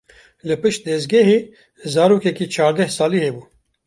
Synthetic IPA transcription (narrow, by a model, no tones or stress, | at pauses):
lɨpɨʃt̪̚d̪ɛzɡɛɦeː | zɑːɾuːkɛkiːt͡ʃʰɑːɾd̪ɛhsɑːliːhebuː